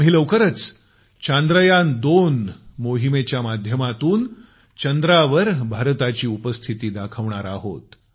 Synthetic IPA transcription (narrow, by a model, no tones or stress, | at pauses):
məɦiləʋkəɾət͡s | t͡ɕand̪ɾəjand̪onmoɦimet͡ɕjamad̪ʱjəmat̪uːn | t͡ɕənd̪ɾaʋəɾbʱaɾt̪at͡ɕiːupəst̪ʰit̪iːd̪akʰəʋɳaɾaɦo̰t̪